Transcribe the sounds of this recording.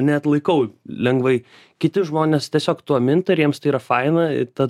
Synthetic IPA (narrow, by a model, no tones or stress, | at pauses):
nʲɛt̪lˠɐɪkɐʊlʲɛŋɡʋɐɪ | kʲɪt̪ʲɪʒmoːnʲeːst̪ʲiɛsʲoːkt̪uːɐmʲɪnt̪ɪɾjiɛmst̪ɐɪiːɾɐfɐɪnɐɪ̰t̪ɐ